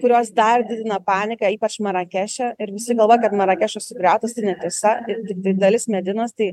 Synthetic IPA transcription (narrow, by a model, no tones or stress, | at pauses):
kʊɾʲoːsd̪ɐrd̪ʲɪd̪ʲɪnɐpɑːnʲɪkɐiːpɐt͡ʃmɐɾɐkʲæːʃʲɛɪɾʋʲɪsʲɪɡɐlˠʋoːjɛkɐt̪mɐɾɐkʲæːʃossʊkɾʲæˑʊt̪ɐst̪ɐɪnʲɛt̪ʲiɛsɐɪt̪ʲɪk̚t̪ɐɪd̪ɐlʲɪsmʲɛd̪ʲɪnoːst̪ɐɪ